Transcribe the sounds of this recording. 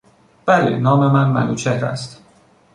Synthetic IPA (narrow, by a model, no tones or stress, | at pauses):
b̥ælḛnɒːme̞mænmæ̰nuːt͡ʃʰehɾæ̰st̪